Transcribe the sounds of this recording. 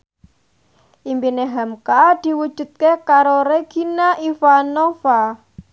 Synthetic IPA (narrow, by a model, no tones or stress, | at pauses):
ʔimbineɦamkad̪̥i̤wud̥ʒ̥ṳt̪̚kekaɾoɾeɡ̥i̤naʔifanofa